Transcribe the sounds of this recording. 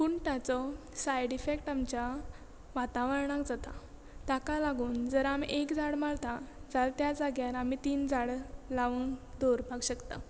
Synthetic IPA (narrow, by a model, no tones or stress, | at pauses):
kuɳʈat͡sɔ | sajɽifekʈamt͡ɕa | ʋat̪aʋəɾɳakd͡zat̪a̰ | t̪akalaɡuːnd͡zəɾamiʔekd͡zaɽmaɭt̪ad͡zalt̪jad͡zaɡjaɾamit̪iːnd͡zaɽlaʋəŋkd̪oɾbʱaɡɕəkt̪a̰